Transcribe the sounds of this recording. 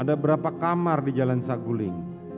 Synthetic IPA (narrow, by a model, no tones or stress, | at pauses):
adabəɾapakamardid͡ʒalansaɡulɪŋ